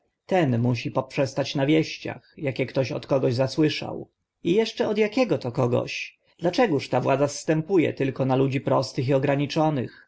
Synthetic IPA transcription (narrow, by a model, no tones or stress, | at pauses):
t̪ɛnmuɕipɔpʂɛst̪at͡ɕnavʲjɛɕt͡ɕa̰xjakʲɛkt̪ɔɕɔ̰t̪kɔɡɔʑzaswɘʂa̰w | ijɛʂt͡ʂɛɔd̪jakʲɛɡɔt̪ɔkɔɡɔ̰ɕ | d̪̥lat͡ʂɛɡuʂt̪avwad̪zasːt̪ɛmpujɛ̰t̪ɘlkɔnalud͡ʑipɾɔst̪ɘxiɔɡɾaɲit͡ʂɔnɘ̰x